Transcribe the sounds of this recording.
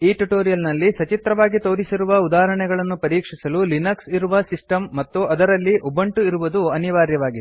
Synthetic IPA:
iːʈuʈoːɾijɐlnɐlːisɐt͡ʃit̪ɾɐʋaːɡit̪o̞ːɾisiɾuʋɐud̪aːɐɾɐɳɛɡɐɭɐnːupɐɾiːkʂisɐlulinɐksiɾuʋɐsisʈɐmːɐt̪ːuɐd̪ɐɾɐlːiʔubɐɳʈuiɾuʋud̪uɐniʋaːɾjɐʋaːɡid̪

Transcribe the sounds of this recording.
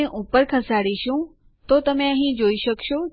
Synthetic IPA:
eʔupəɾkʰəsaɽiʃũ | t̪ot̪əmẽəɦĩd͡ʒoiʃəkʃo

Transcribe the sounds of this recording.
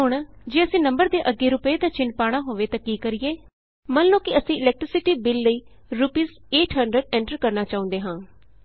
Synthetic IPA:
ɦʊɳd͡ʒeːəsĩːnəmbəɾd̪eːʔəɡːeːɾʊpəeːd̪aːt͡ʃɪnpaːɽ̃aːɦoːʋeːt̪akiːkəɾɪjeː | mənlõːkɪəsĩːɪlɛːk̚ʈɾɪsɪʈiːbɪlːəiː | ɾupiːz | eːʈʰɦəɳɖɾəɖɛ̃ːɳʈəɾkəɾnaːt͡ʃaːʊ̃nd̪eːɦãː

